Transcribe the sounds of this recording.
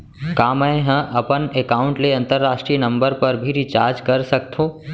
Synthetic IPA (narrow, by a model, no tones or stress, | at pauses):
kaːmə̃eɦə̃ʔɐpənekaːʊ̃ɳʈleɐ̃nt̪əɾːaːʃʈɾinɐ̃mbəɾpɐɾbʱiɾit͡ʃaːɾd͡ʒkɐɾsɐk̚t̪ʰõː